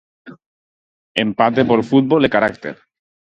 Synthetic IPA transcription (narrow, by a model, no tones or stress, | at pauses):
empat̪epoɾfut̪̚bolekaɾak̚t̪eɾ